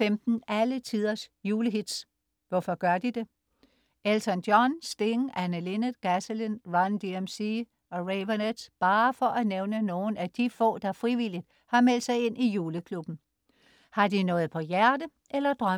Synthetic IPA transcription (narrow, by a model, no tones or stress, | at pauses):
emd̥n̩ælət͡sʰiðˠɐsjuːləɦid̥s | ʋɒfɒ̽ɡ̥ɶɐd̥id̥e̝ | elsʰɒnd̥jɒnsd̥e̝ŋʔænəle̝nə̥ɡ̥æsəlinʁɑnd̥iemsi | ɒ̽ʁeɪʋɐned̥sb̥ɑ̈ːfɒ̽ʔæneʊnəno̝ːn̩æd̥ifɔ̰̽ːd̥ɑ̈fʁiʋil̰id̥̚ | hɑ̈mel̰d̥sɑ̈ɪe̝n̰ʔijuːləkʰlub̥n̩ | hɑ̈d̥inɔ̽ːð̩ˠpʰɒ̽jæɐd̥ə | ʔelɐd̥ʁɶ